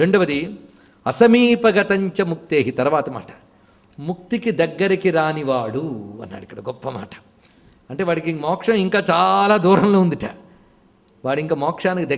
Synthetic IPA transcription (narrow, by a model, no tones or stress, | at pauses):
ɾeɳɖuʋɐd̪i | ɐsɐmiːpɐɡɐt̪ɐɲt͡ʃɐmuk̚t̪eːɦit̪ɐɾuʋaːt̪ɐma̰ːʈɐ̥ | muk̚t̪ikid̪ɐɡːɐɾikiɾaːniʋaːɽuɐ̰nːa̰ːɽikːɐɽɐɡɔpːɐma̰ːʈɐ̥ | ɐɳʈeːʋaːɽikimɔːkʂɐmiŋkaːt͡ʃaːlaːd̪uːɾɐmloːund̪iʈa̰ː | ʋaːɽiŋkaːmɔːkʂaːnikid̪ɐ